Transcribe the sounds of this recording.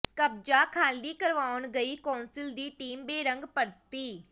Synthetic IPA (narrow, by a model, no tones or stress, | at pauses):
kəb̚d͡ʒaːkʰaːliːkəɾʋaːʊnɡəiːkɔːnsɪld̪iːʈiːmbeːɾəŋɡpəɾt̪iː